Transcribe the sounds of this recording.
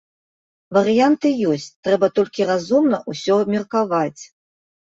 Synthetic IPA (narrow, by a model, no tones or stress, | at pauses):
vɐɾɨjant̪ɨjɔsʲt͡sʲt̪ɾɛbɐt̪ɔlʲkʲirazumnɐʔusʲɔmʲirkavat͡sʲ